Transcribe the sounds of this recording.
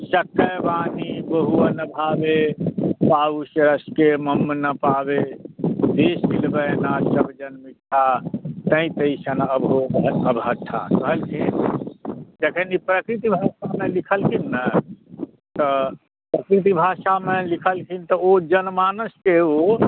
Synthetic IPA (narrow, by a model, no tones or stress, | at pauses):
səkːəbanibəɦuanəbʱabepausəɾəskeməmːnəpabed̪esilbənasəbʱd͡ʒənmiʈ̪ʰːat̪ə̃ĩt̪əɪsənəbɦoəbɦət̪ʰːa̰kəɦəlkʰin | d͡ʒekʰənipɾəkɾit̪̬ibʱaʃamelikʰəlkʰinːə | t̪ɔ | pɾəkɾit̪̬ibʱaʃamelikʰəlkʰint̪ɔod͡ʒənmanəskeo